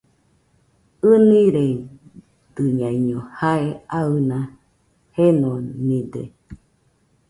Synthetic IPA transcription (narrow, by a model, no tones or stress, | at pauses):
ɯnĩɾe | d̪ɨɲãiɲõhaeaɨnã | henõnĩd̪ḛ